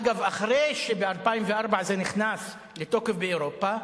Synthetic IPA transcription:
ɡavaχʁeʃebealpaimveʔaʁbaʕzeniχnas | let̪o̞kefbeoɾopa

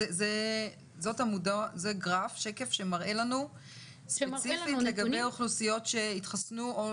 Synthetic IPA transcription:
eze | zo̞tamudazeɡʁafʃe̞ke̞fʃe̞maʁe̞lanu | set͡sifilleɡabejoχlusijo̞tʃe̞itχasnuo

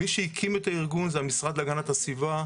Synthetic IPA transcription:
iʃehikʰimet̪aiʁɡunzeamisʁad̪laɡanat̪asiva

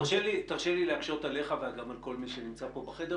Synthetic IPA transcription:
ʁʃelit̪aʁʃelileaɡʃot̪ale̞χaveaɡamalko̞lmiʃenimt͡sapo̞baχede

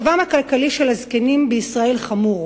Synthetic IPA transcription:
vamakalkaliʃelazkenimbeisʁae̞lχamuʁ

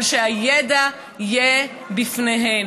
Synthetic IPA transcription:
lʃeajeda | ije | bifneɦen

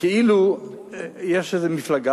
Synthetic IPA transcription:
keilu | jeʃezemiflaɡa

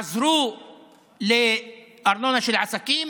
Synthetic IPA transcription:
zɾuː | lɪʔɑɾˤnonaʃɪlʕasækiːm

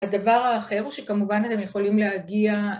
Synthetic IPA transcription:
ad̪avaʁaːχe̞ʁuʃekamuvanat̪emjeχo̞limleɦaɡia

